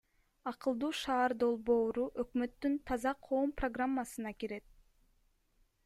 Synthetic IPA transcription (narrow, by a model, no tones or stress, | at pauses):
ɑqɯlˠd̪uːʃɑːɾd̪o̞lˠbo̞ːɾuʔøkmø̞t̪ːynt̪ʰɑzɑqʰo̞ːmproɡramːasɯnɑkiɾe̞t̪̚